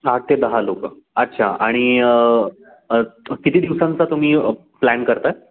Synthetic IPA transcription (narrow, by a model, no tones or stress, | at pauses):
aʈ̚t̪ed̪əɦalokə | ətːɕʰa̰aɽ̃i | kit̪iːd̪iʋsãnt͡sat̪um̤iːə | plænkəɾt̪ae